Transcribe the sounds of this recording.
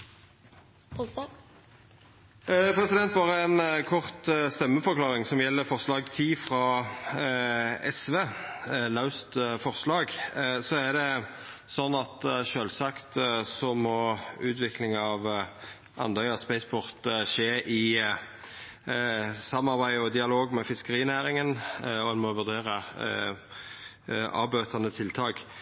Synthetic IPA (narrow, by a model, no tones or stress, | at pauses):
pʰɾɛsɪd̪ɛnt̪̚bɑːʁəɛnkʰɔʁt̪st̪ɛmːəfɔɾʁklɑːɾɪŋsɔmjɛlːəfɔʁslɑːɡt̪ʰiːfʁɑː | ɛsʋeːlɑʉst̪fɔʁslɑːɡsɔæʁd̪ɛsɔnːɑt̪ʃøːlsɑkt̪sɔmɔʉːt̪ʋɪklɪŋɑʋ | ʔɑ̰nd̪œʏɔspɛɪsbʊʁt̪ʃeːʔɪ | sɑmːɑʁbæɪɔd̪ɪɑloːɡmɛfɪskəʁiːnæːɾɪŋənɔɛnmɔʋʉʁd̪eːʁə | ɑ̰ːbøːt̪ʰɑnət̪ʰɪlt̪ʰɑːɡ